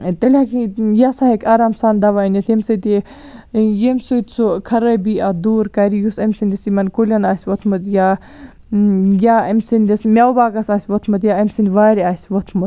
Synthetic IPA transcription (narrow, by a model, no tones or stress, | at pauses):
t̪ɐlʲakijasaɦekʰaːɾaːmsaːnd̪ɐʋaːinɐt̪ʰemsɐt̪i | jemʲsut̪ʲsokʰɐɾɐbiad̪uːɾkɐɾijusɐmsind̪ʲɐsimɐnkulʲɐnaːsʲʋot̪ʰmɨt̪ja | jaːɐmsind̪ʲɐsmʲjawbaːɡɐsaːsʲʋot̪ʰmɐt̪jaɐmsind̪ʋaːɾiaːsʲʋot̪ʰmɐt̪̚